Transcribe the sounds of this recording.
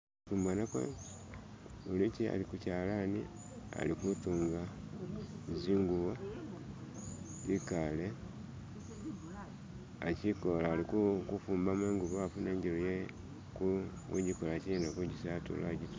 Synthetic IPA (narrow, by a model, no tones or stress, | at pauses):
fuːmbanakwa̰ | ulicia̰likucaːlanḭ | a̰likutuːŋɡa | ziːŋɡuβa | ikale | acikolaːlikukufuːmbameːŋɡuβaːfuneɲɟiloje | ku | ṵɲɟikolacienakuɲɟisatṵlaɟit